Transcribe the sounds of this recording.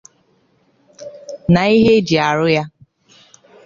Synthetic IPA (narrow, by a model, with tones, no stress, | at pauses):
na˨i˦ɦe˦d͡ʒi˨a˨ɾʊ˦ja˦